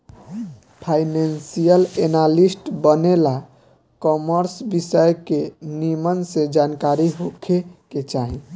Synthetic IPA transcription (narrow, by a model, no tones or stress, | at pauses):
pʰajnensijəlenalisʈbənela | kɔməɾsbisəjkenimənsẽd͡ʒankaɾiɦokʰeket͡ʃaɦi